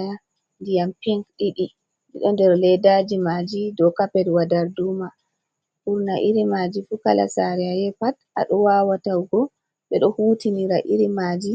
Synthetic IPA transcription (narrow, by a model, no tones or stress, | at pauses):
ja | ndijampiŋkɗiɗi | ɗiɗɔndɛɾlɛdad͡ʒimad͡ʒidɔkapɛdwadaɾduma | ʔuɾnaʔiɾimad͡ʒifukala̰saɾɛajɛpatʔa̰ɗɔwawatawɡɔ | ɓɛɗɔhuːtiniɾaʔiɾimad͡ʒi